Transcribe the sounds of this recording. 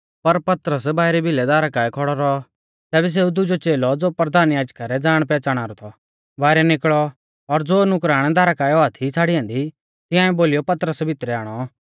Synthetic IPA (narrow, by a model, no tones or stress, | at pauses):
pɐɾpɐt̪əɾəsbaːɪɾɛbʱɪlɛd̪aːɾakaːɛkʰɔɽɔɾɔ | t̪ɛːbɛs̬eːud̪ʊd͡ʒɔt͡ʃeːlɔd͡zoːpɾəd̪ʱaːnjaːd͡ʒkaɾɛd͡zaːɽ̃pɛːt͡ʃaːɽ̃aːɾɔt̪ʰɔ | ʋaːɪɾɛnɪkɭɔ | ɔɾd͡zoːnʊkɾaːɽ̃ɛd̪aːɾakaːɛɔat̪ʰit͡sʰaːɽiɛ̃ːnd̪i | t̪ɪ̃ãːɛ̃boːlijɔpɐt̪əɾəsbʱɪt̪ɾɛaːɽ̃ɔ